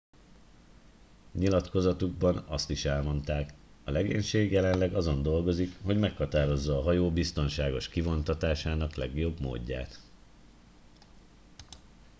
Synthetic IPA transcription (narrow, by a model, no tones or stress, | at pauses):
ɲilɒt̪ko̞zɒt̪uɡ̚bɒnɒst̪iʃɛlmo̞nt̪aːk | ɒlɛɡḛːɲʃeːɡjɛlɛnlɛɡɒzo̞nd̪o̞lɡo̞zikɦo̞ɟmɛkhɒt̪aːɾo̞zːɒːɦɒjoːbist̪o̞nʃaːɡo̞ʃkivo̞nt̪ɒt̪aːʃaːnɒklɛɡjo̞bmo̰ːɟːa̰ːt̪